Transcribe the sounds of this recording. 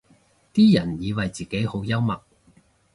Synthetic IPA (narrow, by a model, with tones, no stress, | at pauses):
t̪iː˥jɐ˨˩njiː˨˧wɐ˨jt͡siː˨˩ke˨˥jho˨˥wjɐ˥wmɐ˨k̚